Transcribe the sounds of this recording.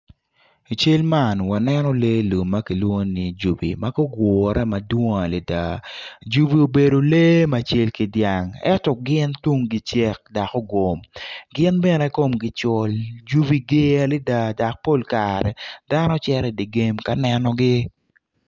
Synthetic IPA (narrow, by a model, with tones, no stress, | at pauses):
t͡ʃe˦lma˦˨nwa˨nɛ˦nɔ˦le˦lo˨mːa˦ki˨lwo˦ni˨d͡ʒu˨bḭ˨ma˦ɡo˦ɡɔ˨ɾɛ˦ma˨dwo˦ŋa˨li˨da̰˨d͡ʒu˦bi˨o˨be˨do˨le˦ma˨t͡ʃe˦lki˨dja˨ŋɛ̰˦tɔ˨ɡɪ˦ntu˦ŋɡɪ˦t͡ʃɛ˦k̚da˨kɔ˦ɡo˨mɡɪ˦nbɛ˦nɛ˨˦ko˦˨mɡɪ˦t͡ʃɔ˨ld͡ʒu˦bi˨ɡɪ˦a˨lɪ˦da˦˨da˨k̚po˦˨lka˨ɾɛ˨da˦nɔ˦t͡ʃɛ˦ɾɛ˨di˨ɡe˦mka˦nɛ˦nɔ˦ɡɪ˦